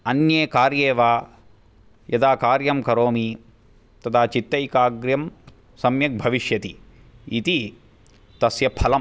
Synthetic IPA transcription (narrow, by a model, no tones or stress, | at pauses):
ɐnjeːkaːɾjeːʋaː | jɐd̪aːkaːɾjɐmkɐɾoːmi | t̪ɐt̪ʰaːt͡ʃit̪ːɐjkaːɡɾjɐm | sɐmjɐk̚bʱɐʋiʃjɐt̪i | it̪i | t̪ɐsjɐpʰɐlɐm